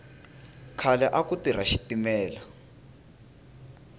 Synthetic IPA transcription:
kʰalɛʔakutiɾaʃi̥timɛːla

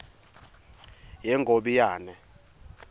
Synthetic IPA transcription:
jɛŋɡʱoɓijaːnɛ

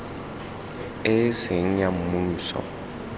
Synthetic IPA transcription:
ɪsɪŋ̩ɲam̩musɔ̰

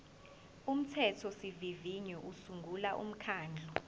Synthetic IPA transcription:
um̩tʰɛtʰɔsiviviɲɔʔusuŋɡʱulaʔṵm̩kʰaːnd͡ɮʱɔ

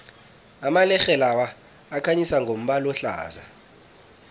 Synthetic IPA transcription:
amalɛxɛlawaː | kʰaɲisaŋɡʱom̩ɓalɔɬa̰ːza̰

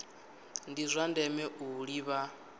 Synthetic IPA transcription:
ndizʷandɛmɛʔuɺiβa

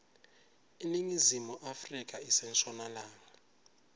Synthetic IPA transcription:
iniŋizimɔʔafrik̬ʼaisɛnt͡ʃʰʼɔnalaːŋa

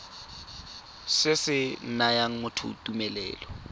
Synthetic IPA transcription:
sɪsɪn̩najaŋ̩mʊtʰʊ̰tumɛlɛ̰ːlɔ

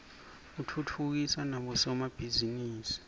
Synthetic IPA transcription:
utʰutʰuk̬isanaɓɔsɔmab̥ʱiziniːsi̥

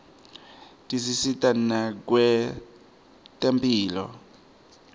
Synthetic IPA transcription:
tʼisisitʼan̩nakwɛ | tʼampiːlɔ̰

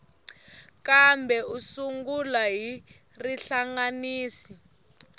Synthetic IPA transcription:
kambɛusuŋɡulaɦi | riɬaŋaniːsi

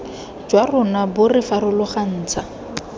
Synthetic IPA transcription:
d͡ʒwarʊnabʊrɪfaɾʊlʊχan̩ːt͡sʰa

